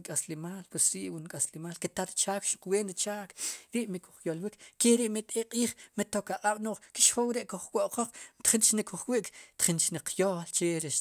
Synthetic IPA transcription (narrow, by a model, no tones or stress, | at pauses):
kʼaslemaːlpwesɾiʔwunkʼaslemaːlket̪aɾit͡ʃaːkʃuqweːnɾit͡ʃaːkɾiʔmiku̥χjolwikkeɾiʔmit̪ʼeqʼiːχmit̪okaqʼaɓ̥noːχki̥ʃχowɾeʔkuχwoʔqoq͡χt̪χint͡ʃnikuχwiʔkt̪χint͡ʃniqjoːlt͡ʃeɾeʃ